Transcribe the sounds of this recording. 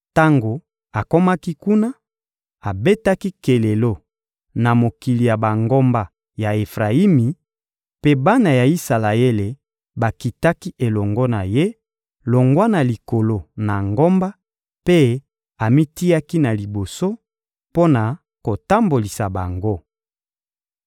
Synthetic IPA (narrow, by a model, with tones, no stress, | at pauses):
ta˦ŋɡo˨ | a˨ko˦ma˦ki˦ku˦na˦ | a˨be˦ta˦ki˦ke˨le˨lo˦ | na˨mo˨ki˨li˨ja˨ba˨ŋɡo˦mba˨ | ja˨e˨fʁa˨i˦mi˨ | pe˦ba˦na˨ja˨i˦sa˨la˨e˦le˨ | ba˨ki˨ta˦ki˦ʔe˨lɔ˨ŋɡɔ˦na˨je˦ | lo˨ŋɡwa˦na˨li˨ko˨lo˨na˨ŋɡo˦mba˦ | pe˦ | a˨mi˦ti˦ja˦ki˦na˨li˨bo˨so˦ | po˦na˨ | ko˨ta˦mbo˨li˨sa˨ba˨ŋɡo˦